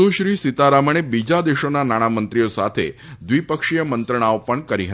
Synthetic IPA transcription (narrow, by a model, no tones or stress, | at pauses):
uʃɾisit̪aɾaməɳ̃ebid͡ʒad̪eʃonanaɽ̃amənt̪ɾijosa̰t̪ʰḛd̪ʋipəkʂijəmənt̪ɾəɳ̃aopəɳkəɾiɦə